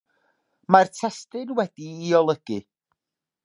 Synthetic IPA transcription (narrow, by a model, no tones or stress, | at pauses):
martʰɛstɨnwɛdiːɔlˠəɡ̥ɨ